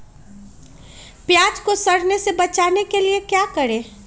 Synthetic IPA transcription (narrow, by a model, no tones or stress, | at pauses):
pjaːd͡ʒkosəɽ̤nesebət͡ʃaːnekeliekjakəɾeː